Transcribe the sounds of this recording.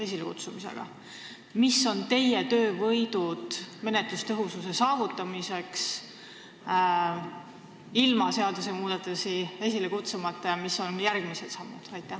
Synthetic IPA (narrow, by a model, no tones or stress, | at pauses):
es̬ʲilekṵt̪sumise̞̰ɡ̥ɑ̰ | misːo̞nt̪e̞jet̪ø̞ːvɤjd̪̥ud̪̥me̞net̪lust̪ɤɦususe̞sɑːvut̪ːˑɑmise̞ks | ilmɑse̞ɑd̪use̞muːd̪̥ɑt̪ːˑusies̬ʲilekut̪sumɑt̪ˑːɑjɑmisːo̞njærɡ̥miselt̪sɑmːud̪̥ɑjt̪ːˑæ